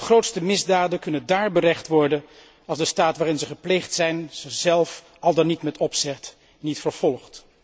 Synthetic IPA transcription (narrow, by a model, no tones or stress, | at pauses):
əχrowtstəmɪzdaːdənkɵnəndaːɹbərɛχtʋɔɹdən | ɑlˠzdəstaːtʋaːrɪnzəχəplejχtsɛjnz̥əzɛlˠf | ɑlˠdɑnːitmɛtɔpsɛt | nitfəɹv̥ɔlˠχt